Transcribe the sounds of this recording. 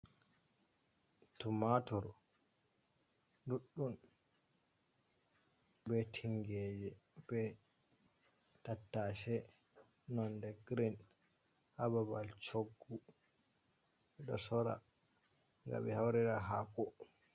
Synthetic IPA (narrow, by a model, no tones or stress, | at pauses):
tumatɔɾ | duɗːun | bɛtʰiŋɡɛd͡ʒɛb̥ɛ | tatːaʃɛ | nɔndɛɡɾin | hababalt͡ʃoɡːu | ɓɛɗɔ̰sɔɾa̰ | ŋɡa̰bɛhawɾiɾaɦakɔ